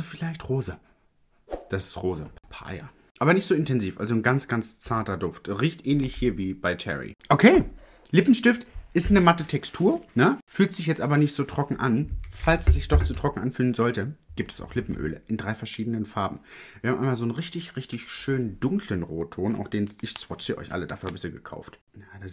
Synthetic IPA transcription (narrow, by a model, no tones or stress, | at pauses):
zofɪlaɪçtʁoːzə | d̥asɪ̥stʁoːzəpʰa̰ɪɐ̰ | ʔaːbɐnɪçtz̥oːɪntʰɛnziːfʔa̰lzon̩ɡant͡sɡ̥ant͡st͡saɐtɐdʊftʁiːçtʔɛːnlɪçhiːɐviːb̥aɪt͡ʃʰɛ̰ʁḭʔokʰeː | lɪpm̩ʃtɪftʔɪstnəmatətʰɛkstʰuːɐnəfyːltz̥ɪçjɛt͡stʔaːbɐnɪçtz̥oːtʁ̥ɔkŋ̩ʔanfalsz̥ɪçd̥ɔχt͡suːtʁ̥ɔkŋ̩ʔanfyːlənzɔltəɡ̥iːp̚tʰɛ̥sa̰ʊxlɪpm̩ʔø̰ːləʔɪndʁaɪfɛɐʃiːdənənfaɐb̚m̩v̥iːɐamʔa̰ɪmaːlzoːnʁɪçtɪçʁɪçtɪçʃøːnəndʊŋklənʁoːtʰoːnʔa̰ʊfd̥eːnʔɪçsv̥ɔt͡ʃːʔɔ̰ʏçʔa̰lədaːfyːɐbɪçsziːɡəkʰa̰ʊft | njada